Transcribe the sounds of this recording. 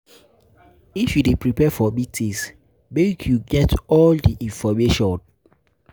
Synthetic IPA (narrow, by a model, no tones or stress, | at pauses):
ifjudepɹipɛfɔmitʰĩs | mekʰjuɡɛtɔldiʔĩnfɔmeʃɔ̃n